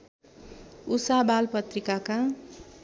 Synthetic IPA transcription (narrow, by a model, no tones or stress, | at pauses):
usabalpʌt̪rikaka